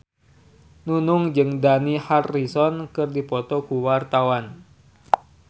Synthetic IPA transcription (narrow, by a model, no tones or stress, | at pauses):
nunʊŋd͡ʒɨŋdaniharːisɔnkɨrdipɔt̪ɔkuwart̪awan